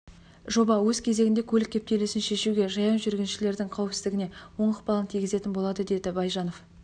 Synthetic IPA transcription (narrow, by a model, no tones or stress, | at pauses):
ʒo̞bɑwɵz̥kʲʰe̞ze̞ɡʲɪnd̪e̞kʲʰɵlɪkʲːe̞p̚t̪e̞lɪsɪnʃe̞ʃuɡʲe̞ʒɑjɑnʒʏɾɡʲenʃɪle̞ɾd̪ɪɴqʰɑwəpsɪzd̪ɪɡʲɪne̞wo̞ɴəqbɑlˠənt̪ʰijɡʲɪze̞t̪ɪnbo̞lˠɑd̪əd̪e̞d̪ɪbɑjʒɑno̞f